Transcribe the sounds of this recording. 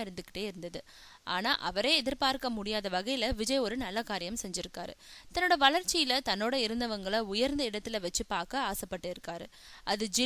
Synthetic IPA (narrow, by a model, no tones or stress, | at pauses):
ɪɾɯnd̪ɯkːɪ̥ʈːeːɪɾɯnd̪ɐðɯ | ʔaːnaːʔɐʋɐɾeːɛðɪɾpaːɾkɐmʊɽɪjaːðɐʋɐɣɐjɪlɐʋɪd͡ʒɐjɔɾɯnɐlːɐkaːɾɪjɐmsɛɲd͡ʒɪɾɯkːaːɾɯ̰t̪ɐnːoːɽɐʋɐɭɐɾt͡ʃːɪjɪlɐt̪ɐnːoːɽɐɪɾɯnd̪ɐʋɐŋɡɐɭɐʊjɐɾnd̪ɐɪɽɐt̪ːɪlɐʋɐt͡ʃːɯpaːɾkɐaːsɐpːɐʈːɯɪɾɯkːaːɾɯ̰ | ʔɐðɯd͡ʒɪ